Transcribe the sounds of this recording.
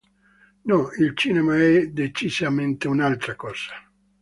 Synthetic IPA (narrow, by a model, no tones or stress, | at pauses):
nɔilt͡ʃiːnemaɛd̪et͡ʃizament̪eunalt̪ɾakɔːz̥a